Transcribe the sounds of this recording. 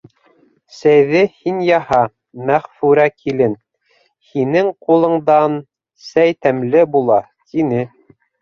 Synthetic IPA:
sæjðɘhinjɑhɑ | mæχfʉɾækʰilɘn | hinɘŋqulˠɤ̆ɴd̪ɑn | sæjt̪æmlɘbulˠɑ | t̪inɘ

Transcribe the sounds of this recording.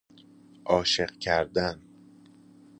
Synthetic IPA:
ʔɒːʃeɢcʰæɾd̪æn

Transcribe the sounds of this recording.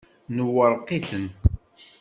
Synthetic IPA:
nəwəɾˤqiθən

